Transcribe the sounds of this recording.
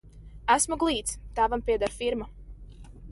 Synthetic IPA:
æsmuɡlˠiːt̪st̪æːvampʲiɛd̪aɾfiɾma

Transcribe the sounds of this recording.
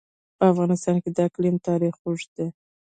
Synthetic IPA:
pəafɣɑnɪst̪ɑnked̪aklimt̪ɑɾixuʐd̪e

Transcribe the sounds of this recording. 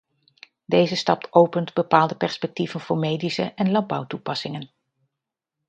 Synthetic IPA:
dejzəstɑp̚tʰowpəntbəpaːlˠdəpɛɹspɛk̚tivənvʊːɹmejdisəʔɛnlɑn̚bʌwtupɑsɪŋən

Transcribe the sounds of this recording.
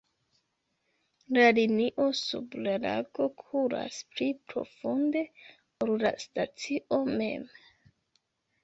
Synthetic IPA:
laliniʔosṵblala̰ɡo̞kʰuɾa̰splipɾo̞̰fund̪e̞ | oɾla̰stat͡siʔo̞me̞̰m

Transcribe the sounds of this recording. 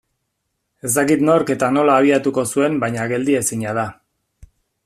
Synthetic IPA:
e̞zt̪akit̪no̞ɾke̞t̪ano̞laːβ̞iat̪uko̞sue̞mbajɲaɣe̞ld̪ie̞siɲað̞a

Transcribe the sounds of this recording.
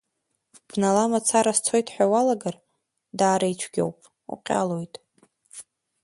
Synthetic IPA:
b̥nalamat͡sʰaɾast͡sʰo̞jtʼħʷᶣawalaɡar | daːɾait͡ʃʷʰɡʲa̰wpʼ | ṵqʲʼa̰lo̞jtʼ

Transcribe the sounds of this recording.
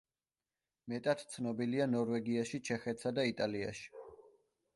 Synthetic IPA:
mɛt̪ʼat̪ʰt̪sʰnɔbilianɔɾvɛɡiaʃit͡ʃʰɛχɛt̪ʰsad̪ait̪ʼalia̰ʃi̥

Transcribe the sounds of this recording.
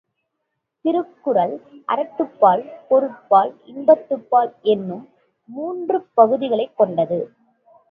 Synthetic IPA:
t̪ɪɾɯkːɯɾɐlʔɐɾɐʈ̪ːɯpːaːlpɔɾɯʈ̚pːaːlɪnbɐt̪ːɯpːaːlɛnːɯmː | uːndrɯpɐɣɯðɪɣɐɭɐɪkːɔɳɖɐðɯ

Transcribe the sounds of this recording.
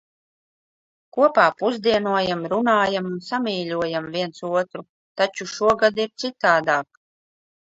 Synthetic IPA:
kuɔpaːpuzd̪iɛnuɔjamɾunaːjamunsamiːlʲuɔjamviɛnt̪suɔt̪ɾu | t̪at͡ʃuʃuɔɡad̪iɾt̪sit̪aːd̪aːk

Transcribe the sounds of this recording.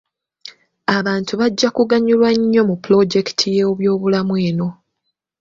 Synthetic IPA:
aβaːntuβaɟːakuɡaɲulwaɲːo̞muplo̞ɟe̞ki̥tʰijoːβjo̞ːβulamweːno̞

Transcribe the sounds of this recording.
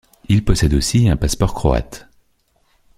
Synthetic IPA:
ilpɔsɛd̪osiɛ̃paspɔʁkχɔ̰a̰t̪

